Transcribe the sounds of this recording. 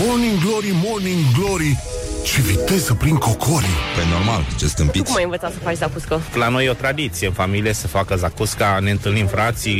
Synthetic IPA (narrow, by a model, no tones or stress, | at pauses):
moniŋɡloɾimoniŋɡloɾi | t͡ʃe̞vit̪e̞zəpɾiŋkokʰoɾipeno̞rmalt͡ʃest̪ɨmpik̪majɨnvət̪sat̪səfat͡ʃzakuskəlano̞jeot̪ɾad̪it̪sijeɨnfamilije̞səfakəzakuskane̞ɨnt̪ɨlnimfɾat̪si